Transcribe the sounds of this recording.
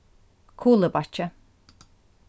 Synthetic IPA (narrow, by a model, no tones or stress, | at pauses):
kʰuːlˠəbat͡ʃə